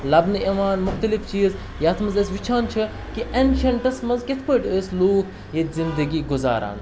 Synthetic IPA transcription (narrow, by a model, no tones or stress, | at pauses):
lɐbnɨiʋaːnmʊxt̪ɐlift͡ʃiːz | jaːt̪ʰmɐzɐsʋit͡ʃʰaːnt͡ʃʰɨ | kiʔenʃɐɳʈɐsmɐzkɪt̪ʰpoːʈəːsluːkʰ | jezind̪əɡiːɡʊza̰ːɾa̰ːn